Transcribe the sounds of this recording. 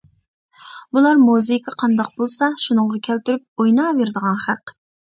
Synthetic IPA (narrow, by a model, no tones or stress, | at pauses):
bulˠɑɾmozɪkʰʲɑqʰɑnd̪ɑq̚bolˠsɑʃunɨɴʁɑkʲʰælt̪yɾyp̚ojnɑːveɾd̪əʁɑnχæq